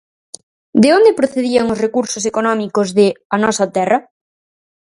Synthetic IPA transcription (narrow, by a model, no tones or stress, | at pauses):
d̪ɪond̪epɾoθeðiɐŋʊsrekuɾsos̬ekonɔmikozðɪɐnɔsɐt̪ɛrɐ